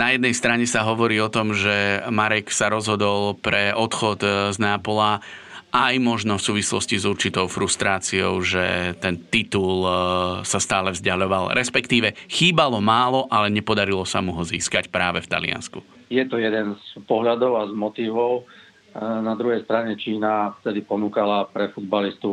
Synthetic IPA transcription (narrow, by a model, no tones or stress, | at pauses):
najɛd̪nɛjst̪ɾaɲɛsaɦɔʋɔɾiːɔt̪ɔmʒɛmaɾɛksaɾɔzɦɔd̪ɔlˠpɾɛɔt̪xɔd̪znaːpɔla | ʔajmɔʒnɔfsuːʋislɔscizuɾt͡ʃit̪ɔʊfɾust̪ɾaːt͡siɔ̰ʊʒɛt̪ɛnt̪it̪ulsast̪aːlɛvzɟaʎɔʋalɾʔɛspɛkt̪iːʋɛxiːbalɔmaːlɔʔalɛɲɛpɔd̪aɾilɔsa̰muɦɔziːskacpɾaːʋɛft̪a̰lɪ̰a̰nsku | jɛt̪ɔjɛd̪ɛnspɔɦʎad̪ɔʊazmɔt̪iːʋɔʊ | nad̪ɾuɦɛjst̪ɾaɲɛt͡ʃiːnaft̪ɛd̪ipɔnuːkalapɾɛfud̪̚balist̪u